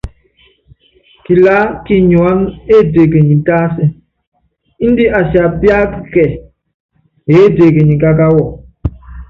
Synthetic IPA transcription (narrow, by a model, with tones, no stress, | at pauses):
ki˨la˦ki˦ɲwa˦me˦de˨ke˨ɲi˨n˨ta˦si˦ | n̩˦di˦ʔa˨sja˨bja˦kkɛ˨ | e˨˦de˨ke˨ɲi˨ka˦ka˦wɔ˨